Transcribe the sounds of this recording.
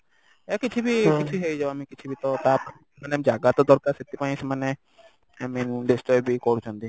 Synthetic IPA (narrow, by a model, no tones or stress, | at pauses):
eakit͡ʃʰibikit͡ʃʰiɦejd͡ʒaoamikit͡ʃʰibit̪ɔt̪ap | manemid͡ʒaɡat̪ɔd̪ɔɾkaɾset̪ipaĩsmane | amĩnɖesʈɔbikɔɾut͡ʃʰɔ̃nt̪i